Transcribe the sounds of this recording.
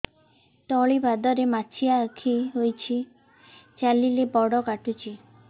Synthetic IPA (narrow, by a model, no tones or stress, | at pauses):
t̪ɔɭibad̪ɔɾemat͡ʃʰiaːkʰiɦojt͡ʃʰi | t͡ʃalilepɔɽɔkaʈut͡ʃʰi